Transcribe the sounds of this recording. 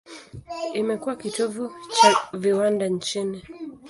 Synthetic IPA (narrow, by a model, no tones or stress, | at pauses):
imɛkuwakitɔvut͡ʃaviwandaɲt͡ʃini